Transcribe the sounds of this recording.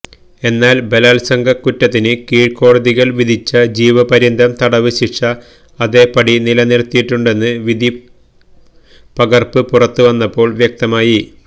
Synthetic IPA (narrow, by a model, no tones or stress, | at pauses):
e̞nːaːlbe̞laːlsɐŋɡʱɐkːutːɐt̪ːinɨkiːɻko̞ːɽɐðiɣɐɭʋid̪ʱit͡ɕːɐd͡ʑiːʋɐpɐɾind̪ʱɐmt̪ɐɽɐʋɨɕiʂɐː | ðeːpɐɽinilɐniɾt̪ːijiʈːuɳɖe̞nːɨʋid̪ʱi | pɐɡɐrpɨpurɐt̪ːɨʋɐnːɐpːo̞ːɭʋjɐk̚t̪ɐmaːji